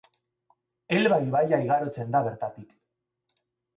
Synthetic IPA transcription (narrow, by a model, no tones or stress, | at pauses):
e̞lβajβajaiɣaɾo̞t͡se̞nd̪aβe̞ɾt̪at̪ik